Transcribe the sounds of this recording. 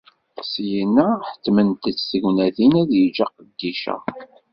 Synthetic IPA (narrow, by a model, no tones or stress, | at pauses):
sjənːæħə̥t̪ːmənt̪ət͡sːsəʝnæθinæðjəd͡ʒɑqəd̪ːiʃæ̰